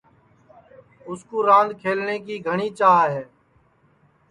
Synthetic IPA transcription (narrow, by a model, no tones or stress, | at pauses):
ʊskuːɾãːnd̪ʱkʰeːlneːkiːɡʱəɳiːt͡ʃaːɦɦeː